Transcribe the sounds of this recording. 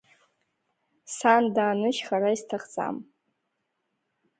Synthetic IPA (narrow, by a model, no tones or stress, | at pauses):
sandaːnɨʃχaɾaistʰaχt͡sʼa̰m